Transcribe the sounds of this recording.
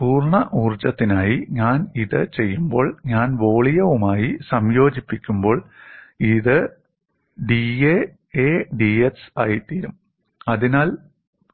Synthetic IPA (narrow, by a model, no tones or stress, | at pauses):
puːrɳɐʔuːrt͡ɕɐt̪ːinaːjiɲaːniðɨt͡ɕe̞jːumbo̞ːɭɲaːnʋo̞ːɭijɐʋumaːjisɐmjo̞ːd͡ʑipːikʲːumbo̞ːɭiðɨ | ɖie | eɖiesaːjit̪iːɾum | ɐðinaːl